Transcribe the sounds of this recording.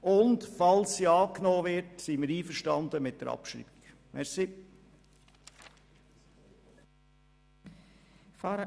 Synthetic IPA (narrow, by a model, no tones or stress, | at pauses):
ʊntfɑlsːiːɑːknoːvɪɾtsiməɾiːfəɾʃtɑnd̪əmɪt̚d̥ə̰ɾɑ̰pʃɾḭːb̥ik | mʔɛɾsi | fɑ